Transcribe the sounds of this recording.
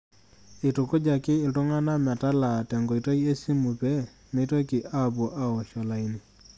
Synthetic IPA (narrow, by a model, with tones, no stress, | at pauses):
ɪ˨tʊ˨kʊ˦d͡ʒa˨kɪ˦ɪ˨ltʊ˦ŋa˦na˦ma˨ta˦la˨tɛ˨ŋɡo˨jto˦je˦si˦mu˨pɛ˦ | me˦to˦ki˨ʔa˦˨bʊ˨ʔa˦ɔ˨ʃɔ˨la˨i˦ni˨